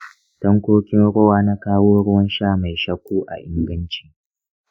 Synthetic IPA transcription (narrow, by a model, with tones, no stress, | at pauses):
tɐ˦ŋkʷoː˦kʲɪ˦nɽɔ˦waː˦na˦kaː˦woː˦ɽʊ˦wɐ˦nʃaː˦ma˨jʃɐ˦kʷːuː˦ʔa̰˨ʔɪ˦ŋɡɐ˦nt͡ʃi̥ː˦˨